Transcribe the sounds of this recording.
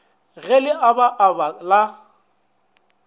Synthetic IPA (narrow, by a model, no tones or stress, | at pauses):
ɣɛlɪʔabaʔabala